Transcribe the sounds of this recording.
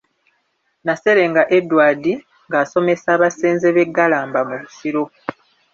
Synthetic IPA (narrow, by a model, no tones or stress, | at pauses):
nase̞ɾe̞ŋɡaʔe̞dːwaːdi | ŋɡaːso̞me̞saːβaseːnzeβe̞ɡːalaːmbamuβu̥siɾo̞